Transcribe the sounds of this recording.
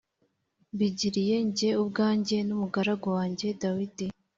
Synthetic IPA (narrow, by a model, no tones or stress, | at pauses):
βiɟiɾije̞ɲɟe̞ubɡaːɲɟe̞numuɡaɾaɡawaːɲɟe̞dawidi